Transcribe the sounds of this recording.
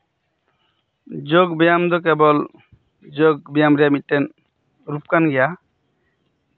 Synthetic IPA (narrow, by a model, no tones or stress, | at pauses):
d͡ʒoɡbijamd̪ɔk̬ɛbɔl | d͡ʒoɡ̚bijamɾijamitːɛn | ɾup̚kanɡija